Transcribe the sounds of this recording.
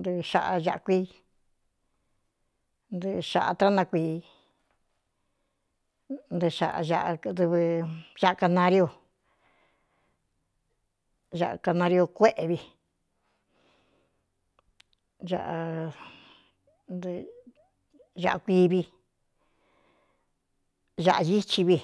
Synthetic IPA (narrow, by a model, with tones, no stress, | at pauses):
nd̪ɨ˧ʂa̰˧ʔa˧ʒa˧ʔa˧kʷiː˦ | nd̪ɨ˧ʃa̰˧ʔa˧t̪ɾa˦nã˧kʷiː˧ | nd̪ɨ˧ʃa̰˨˧ʔa̰˧ʒa˧ʔa˧d̪ɨ˧βɨ˧ʒa˦ʔka˧nã˧ɾi˧˦o˧˨ | ʒa˧ʔa̰˧ka˧nã˧ɾjo˧kʷe˦ʔe˧βi˧ | ʒa̰˧ʔa˧ | nd̪ | ʒa˧ʔa˧kʷi˧βi˧ | ʒa˧ʔa˧ji˦t͡ʃi˧βi˧